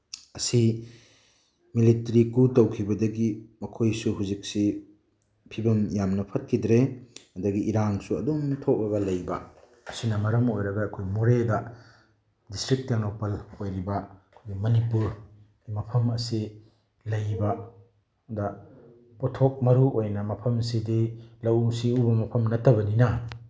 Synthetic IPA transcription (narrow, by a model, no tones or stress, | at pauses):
ɐsi | militɐɾikutɐwkʰibɐdɐɡimɐkʰojsuɦuzik̚si | pʰibɐmjamnɐpʰɐt̚kʰidɾeɐdɐɡiʔiɾaŋsuɐ̰domtʰok̚bɐɡɐlɐjbɐ̰ | ɐsinɐmɐɾɐmojɾɐɡɐːkʰojmuɾedɐ | distɾik̚tenopɐlojɾibɐɐkʰojɡimɐnipuɾɡimɐpʰɐmɐsi | lɐjbɐ | dɐ | potʰok̚mɐɾuojnɐmɐpʰɐmsidilɐwsiubɐmɐpʰɐmnɐtʰɐbɐninɐ